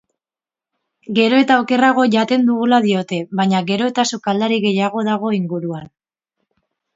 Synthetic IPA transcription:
ɡe̞ɾo̞e̞t̪aoke̞raɣ̞o̞ʝat̪e̞nd̪uɣulaðio̞t̪e̞βaɲaɣe̞ɾo̞e̞t̪asukald̪aɾiɣe̞jaɣ̞o̞ðaɣ̞o̞iŋɡuɾuan

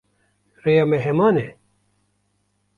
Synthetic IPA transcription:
reːjɑːmɛɦɛmɑːnɛ

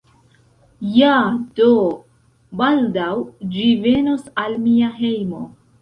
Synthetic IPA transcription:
jad̥o | baldawd͡ʒive̞nosalmiaɦe̞jmo

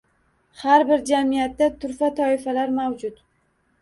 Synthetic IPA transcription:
haɾbɪɾd͡ʒamijat̪ːat̪ʰʊɾfat̪ʰɒɪfalaɾmawd͡ʒʊt̪

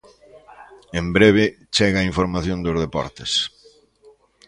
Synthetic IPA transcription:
embɾeβ̞ɪ | t͡ʃɛɣɐaĩɱfoɾmaθjõnd̪ozð̞epɔ̰ɾt̪es

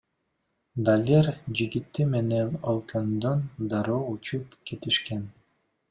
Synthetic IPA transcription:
d̪alʲeɾd͡ʒiɡit̪ːime̞nenolˠkønd̪ønd̪aɾoːut͡ʃupke̞t̪iʃken

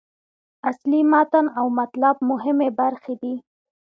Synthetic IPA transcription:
aslimɑt̪anawmat̪lab̚mʊɦɪmebaɾxed̪i

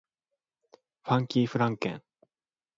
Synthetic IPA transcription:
ɸãŋkʲiːɸɯ̟ɾãŋkḛ̃ŋ

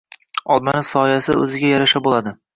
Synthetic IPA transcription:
ɒlˠmanɪsɒjasɪɵ̰zɪɡʲajaɾaʃabolˠad̪ɪ

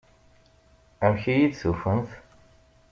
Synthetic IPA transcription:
æmçijid̪sufənθ

